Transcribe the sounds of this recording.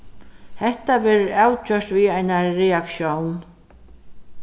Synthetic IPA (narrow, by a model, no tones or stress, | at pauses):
hɛht̪avɛːɾɪɾawt͡ʃœr̥t̪viajnaːɛakʃjown